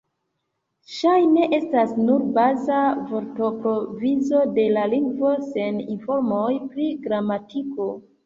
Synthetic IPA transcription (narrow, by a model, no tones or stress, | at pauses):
ʃajne̞ʔe̞stasnuɾbazavo̞ɾto̞pɾo̞vizo̞de̞laliŋɡvo̞se̞ninfo̞ɾmo̞jpɾiɡɾamatʰiko̞